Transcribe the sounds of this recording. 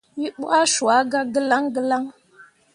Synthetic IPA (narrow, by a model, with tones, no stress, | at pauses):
ji˦ɓu˦a˦ʃu˨a˨˦ɡa˦ɡə˦la˦ŋɡə˦la˦ŋ